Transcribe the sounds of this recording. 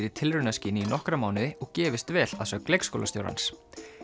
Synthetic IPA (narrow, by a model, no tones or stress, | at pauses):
ɾɪ̥t̪ʰɪlrʏnasciːnɪinɔhkɾamaːwnɪðɪɔɣcɛːvɪst̪vɛːlaðsœɣklejkskowlast̪jo̰wɾa̰ns